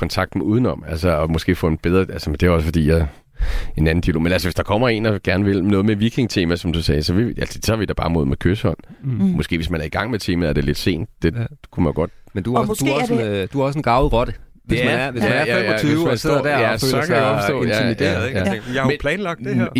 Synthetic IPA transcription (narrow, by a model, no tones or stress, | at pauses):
kʰɒ̽nt͡sʰɑ̈ɡ̥d̥meuːðˠn̩ɒ̽m̰ælsəɒ̽mɔ̽sɡ̥e̝̰ːfɔ̰̽e̝nb̥eð̞ˠʁɐælsəmend̥e̝æɒ̽sə̥fɒ̽d̥ḭːjɑ | e̝næn̩d̥iælo̝̰ːmenælsəʋe̝sd̥ɑ̈kʰɒ̽m̰ɐe̝̰ːnd̥ɑ̈ɡ̥æɐnəʋe̝lnɔ̽ːð̞̩ˠmeʋiɡ̥ʰe̝ŋt͡sʰe̝ːmæsɒ̽md̥usɛːɪsɒ̽ʋeælsə̥sɒʋid̥ɑ̈b̥ɑ̈ːmo̝ð̰ˠmekʰøsəhɒ̽n̰mɔ̽sɡ̥e̝̰ːʋe̝smænæɐiɡ̥ɑ̈ŋ̰met͡sʰe̝ːmæðæɐde̝le̝d̥se̝̰ːnd̥d̥e̝kʰumænjo̝ɡ̥ɒ̽d̥mend̥usd̥usd̥uæɒ̽s̬enɡ̥ɑ̈ʊl̩ˠʁɒ̽d̥ə | esmænnæɐʋesmænæɐfeyeːʊsmse̝ð̰ˠd̥æɐæɒsɔ̰ejæimidj̥eæ̰ɐæmepʰlɛːnlɑ̈ɡ̥̚